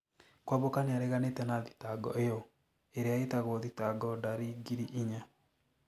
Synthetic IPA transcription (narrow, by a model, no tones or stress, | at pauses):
kwaβokaneaɾeɣanetɛnaðitaɡɔ̰ʔejɔ | eɾeaetaɣoðitaɡɔdaɾiɡiɾiʔiɲa